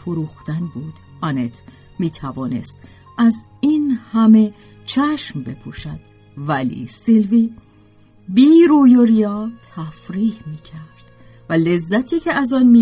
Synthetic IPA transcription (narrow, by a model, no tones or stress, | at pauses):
foɾuːxt̪ænbuːd̪̥ | ɒne̞t̪ʰ | miːt̪ʰævɒːne̞̰st̪ | ʔæzinhæme̞ | t͡ʃʰæʃmbe̞pʰuːʃæd̪̥ | vælḭːselviː | biːɾuːjoɾijɒːt̪ʰæfɾiːhmiːcʰæɾd̪̥ | vælezːæt̪ʰiːcʰeæzɒːnmiː